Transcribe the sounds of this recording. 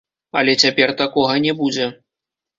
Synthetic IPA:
alʲɛt͡sʲapʲɛrt̪akɔɣɐnʲɛbud͡zʲɛ

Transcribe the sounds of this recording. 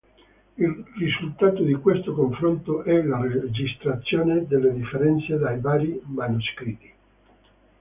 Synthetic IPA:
ilrizult̪aːt̪od̪ikwest̪okoɱfɾont̪oʔɛlared͡ʒist̪ɾat̪sːjoːned̪elːed̪ifːeɾɛnt̪sed̪ajvaːɾimanuskɾit̪ːi̥

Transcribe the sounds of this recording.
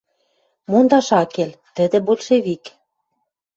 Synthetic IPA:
mond̪ɑʃɑkelt̪ə̆d̪ĕbolʲʃeβik

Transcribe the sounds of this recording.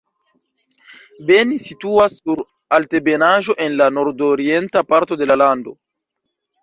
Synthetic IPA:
be̞nisituasːuɾ | alte̞be̞naʒo̞ʔenlano̞ɾdoɾie̞ntapaɾto̞de̞lalando̞

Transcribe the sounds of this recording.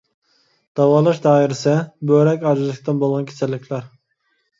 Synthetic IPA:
d̪̥ɑwɑːlˠɑʃd̪ɑːiɾɪsɪbøɾɛkʲɑɾzɨlˠɨk̚ʲt̪ɨnbolˠʁɑnkʲʰe̥sʰɛlːɪkʲʰlæɾ

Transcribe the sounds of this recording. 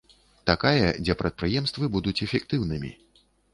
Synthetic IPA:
t̪akajɐd͡zʲɛpɾɐt̪̚pɾɨjɛmst̪vɨbud̪ut͡sʲɛfʲɛkt̪ɨwnɨmʲḭ

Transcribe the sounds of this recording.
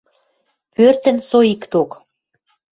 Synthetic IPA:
pørt̪ə̆nsoikt̪ok

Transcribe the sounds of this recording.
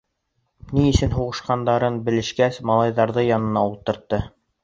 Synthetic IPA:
niɘ̆sɘnɦuʁɤ̆ʃqɑnd̪ɑɾɤnbɘ̆lɘ̆ʃkæsmɑlˠɑjðɑɾðɤjɑnɤ̆nɑulˠt̪ɤ̆ɾt̪ːɤ

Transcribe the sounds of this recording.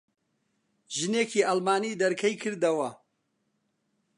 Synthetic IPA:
ʒɨneːkiːʔalmaːniːd̪ɐɾkʰɐjkʰɨɾd̪ɐwɐ

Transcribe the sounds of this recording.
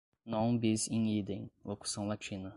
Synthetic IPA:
nõw̃bizẽj̃id̪ẽj̃loku̥sɐ̃w̃lat͡ʃĩnɐ

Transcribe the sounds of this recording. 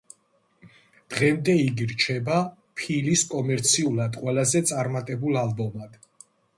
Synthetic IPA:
d̪̥ʁɛmd̪ɛiɡiɾt͡ʃʰɛba | pʰiliskʼɔmɛɾt̪sʰiulˠad̪qʼwɛlazɛt̪sʼaɾmat̪ʼɛbulˠalbɔmad̪̥

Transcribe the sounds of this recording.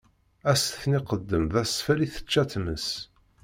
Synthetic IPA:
æsθniqəd̪ːəmðæsfæliθə̥t͡ʃːæt̪məs

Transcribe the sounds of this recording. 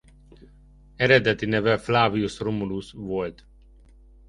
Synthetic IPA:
ɛɾɛd̪ɛt̪inɛvɛflaːviusromulusvolt̪

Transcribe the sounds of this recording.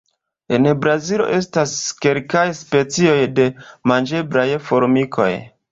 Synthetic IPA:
e̞nbɾazilo̞̰ʔe̞staske̞lkajspe̞t͡sio̞jde̞mand͡ʒe̞blajfo̞ɾmikʰo̞̰j

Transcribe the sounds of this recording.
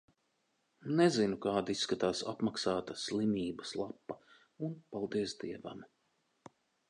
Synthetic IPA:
nɛzinukaːd̪isːkat̪aːsa̰pmaksaːt̪ɐslˠimʲiːbɐslˠapːɐ | unpalˠd̪iɛsd̪iɛva̰m

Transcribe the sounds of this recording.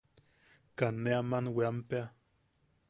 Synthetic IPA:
kanːeamanweampea

